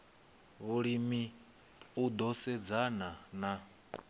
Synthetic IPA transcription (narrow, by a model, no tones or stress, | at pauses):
βuɺimi | ud̪ɔsɛd͡zanana